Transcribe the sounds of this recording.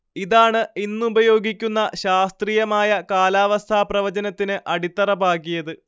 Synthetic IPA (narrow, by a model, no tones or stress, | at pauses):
iðaːɳɨinːubɐjo̞ːɡikʲːunːɐɕaːst̪riːjɐmaːjɐkaːlaːʋɐst̪ʰaːprɐʋɐd͡ʑɐnɐt̪ːinɨʔɐɽit̪ːɐrɐbaːkːijɐðɨ